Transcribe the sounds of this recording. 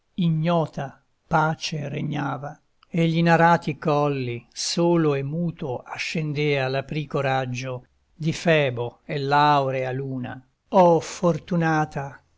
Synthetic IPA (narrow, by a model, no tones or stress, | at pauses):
iɲːɔːt̪a | paːt͡ʃereɲːaːva | eʎːinaɾaːt̪ikɔlːisoːloemːuːt̪oaʃːend̪eːalapɾiːkoɾad͡ʒːo | d̪ifɛːboelːawɾealuːna̰ | ɔfort̪unaːt̪a